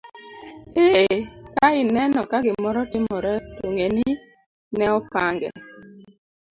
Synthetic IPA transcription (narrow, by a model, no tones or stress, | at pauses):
eekaɪnɛnɔkaɡɪmɔɾɔtɪmɔɾɛtoŋeni | nɛɔpaŋɡɛ̰